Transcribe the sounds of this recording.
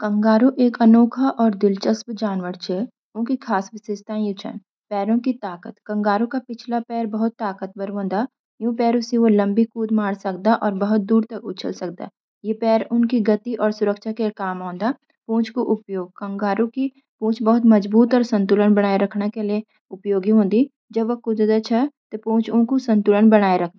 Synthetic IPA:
kɐ̃ŋɡaːɾuʔeːkɐnoːkʰaʔɔːɾd̪ɪlt͡ʃəspd͡ʒaːnʋəɾt͡ʃʰe | ʊ̃nkikʰaːsʋɪsɪst̪ʰãːjẽt͡ʃʰə̰n | pɛːɾõkit̪aːkət̪kɐ̃ŋɡaːɾũkapɪt͡ʃʰlapɛːɾbɐɦʊt̪ːaːkət̪̚bɐɾʋə̃nd̪a | jũːpɛːɾʊsiʋolɐ̃mbikuːd̪maːɽsɐk̚d̪aʔɔːɾbɐɦʊt̪̚d̪uːɾt̪ɐkʊt͡ʃʰə̰lsɐk̚d̪a̰ː | jepɛːɾʊnkiɡɐt̪iʔɔːɾsʊɾəkʃakekaːmɔ̃ːnd̪a | põːt͡ʃkoʔʊpjoːɡ̚kɐ̃ŋɡaːɾũki | põːt͡ʃʰbɐɦʊt̪mɐd͡ʒbuːt̪ɔːɾsə̃nt̪ʊlənbɐɽ̃aːeɾɐkʰnakelie | ʊpjoːɡiɦõːnd̪i | d͡ʒɐbʋɐkʊd̪d̪ət͡ʃʰɛt̪opõːt͡ʃʰʊ̃nkosə̃nt̪ʊlənbɐɽ̃aːeɾɐkʰd̪a

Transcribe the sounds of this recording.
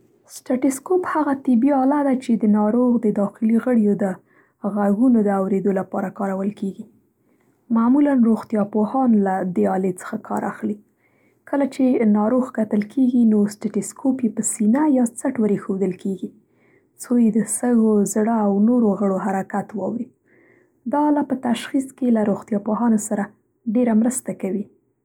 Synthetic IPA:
sʈaʈɪskophaɣat̪ɪbiɑlad̪at͡ʃed̪ənɑɾoɣd̪əd̪ɑxɪliɣəɽjod̪ə | ɣaɡunod̪əawɾed̪olapɑɾakɑɾawəlkeɡi | mamulanɾoɣt̪jɑpohɑnlad̪eɑlet͡sə̥xakʰɑ̰ɾʔa̰xli | kəlat͡ʃenɑɾoɣkat̪əlkʰeɡinosʈeʈɪskʰopjepəsinajɑt͡saʈwəɾexod̪əlkʰeɡi | sojed̪əsəɣozɽəawnoɾoɣəɽoɦaɾakat̪wɑ̰wɾi | d̪ɑlapət̪aʃxiskelaɾoɣt̪jɑpoɦɑnosaɾa | ɖeɾamɾəst̪akawi

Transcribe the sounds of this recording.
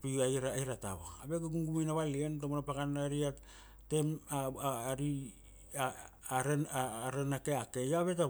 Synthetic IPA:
piajɾajɾata̰βa̰abekuɡuŋɡumejnaβalientomonapakanːaɾia | te̞maɾi | ɾeɾenakeakejoaβeta

